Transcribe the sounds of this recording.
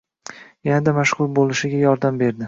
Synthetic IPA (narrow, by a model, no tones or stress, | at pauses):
janad̪amaʃχʊɾbolˠɪʃɪɡʲajɒɾd̪ambe̞ɾd̪ɪ